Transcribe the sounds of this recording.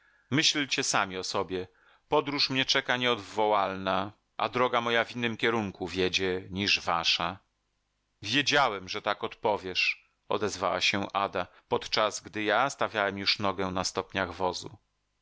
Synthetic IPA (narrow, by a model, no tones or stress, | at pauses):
mɘɕlt͡ɕɛsamʲiɔsɔbʲjɛ | pɔd̪ɾuʂmɲɛt͡ʂɛkaɲɛɔd̪vɔwalna | ʔa̰d̪ɾɔɡamɔjavʲinːɘmkʲɛɾuŋkuvʲjɛd͡ʑɛɲiʐvaʂa | vʲjed͡ʑawɛmʐɛt̪akɔt̪pɔvʲjɛʂ | ɔ̰d̪ɛzva̰wa̰ɕɛʔa̰d̪a | pɔt̪t͡ʂazɡd̪ɘjast̪avʲjawɛmjuʂnɔɡɛnast̪ɔpɲaɣvɔzṵ